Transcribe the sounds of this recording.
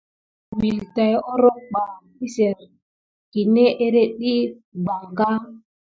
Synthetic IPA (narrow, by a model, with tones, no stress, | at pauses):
wi˨lta˨jɔ˦ɾɔ˦k͡pa˨mi˦se˨ɾ | ki˨ne˦ʔe˦ɾe˦ɗi˦ | ɡ͡ba˨ŋɡa˦